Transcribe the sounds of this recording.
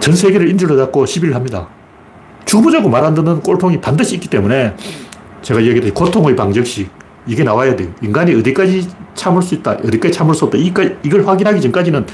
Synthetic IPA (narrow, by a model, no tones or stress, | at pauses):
t͡ɕʌnsʰe̞ɡeɾɯɾind͡ʑuɾʌdak͈̚oɕʰibiɾɯɭɦamɲida̰ | t͡ɕubud͡ʑaɡomaɾɦandɯnɯnk͈oɭpʰoŋipandɯɕʰiːk͈i̥t͈e̞mune̞ | t͡ɕe̞ɡajaɡidekotʰoŋɯipaŋd͡ʑʌk̚ɕ͈ik̚ | iɡe̞nawajadeoiŋɡaɲiɯdik͈ad͡ʑit͡ɕʰamuɭs̬͈uit̚t͈aʔɯdik͈ad͡ʑit͡ɕʰamuɭs͈uʌpt͈aik͈aiɡʌɭɸwaɡinɦaɡit͡ɕʌnk͈ad͡ʑinɯn